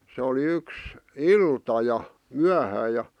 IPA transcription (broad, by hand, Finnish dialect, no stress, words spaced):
se oli yks iltɑ jɑ myæhæː jɑ